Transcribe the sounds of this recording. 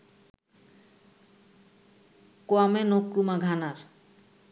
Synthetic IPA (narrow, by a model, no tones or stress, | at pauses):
koamenokɾumaɡʱanaɾ